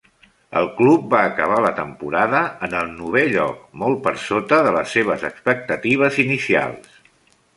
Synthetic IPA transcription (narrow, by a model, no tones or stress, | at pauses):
ə̰lˠklup̚baːkəβ̞alət̪əmpuɾaðəənəlˠnuβ̞eʎɔ̰k̚mɔlˠpəɾsot̪əðələsːeβ̞əzəkspək̚t̪ət̪iβ̞əzinisia̰lˠs